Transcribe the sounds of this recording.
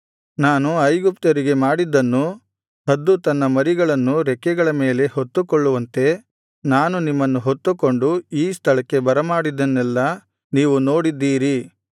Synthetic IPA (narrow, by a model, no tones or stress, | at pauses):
naːnuɐjɡupt̪ɐɾiɡe̞maːɽid̪ːɐnːu | hɐd̪ːut̪ɐnːɐmɐɾiɡɐɭɐnːuɾɛkːɛɡɐɭɐme̞ːle̞ho̞t̪ːukoɭːuʋɐnt̪e̞ | naːnunimːɐnːuɦot̪ːuko̞ɳɖuiːst̪ʰɐɭɐkːebɐɾɐmaːɽid̪ːɐnːɛlːɐ | niːʋuno̞ːɽid̪ːiːɾi